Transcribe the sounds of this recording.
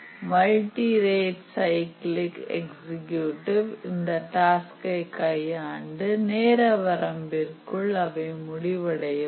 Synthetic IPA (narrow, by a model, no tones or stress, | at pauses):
mɐlʈiɾeːʈsɐɪklɪkɛ̰ksɪkjuʈɪʋɪnd̪ɐʈaːskɐɪkɐjaːɳɖɯneːɾɐʋɐɾɐmbɪrkɯɭɐʋɐɪmʊɽɪʋɐɽɐjɐ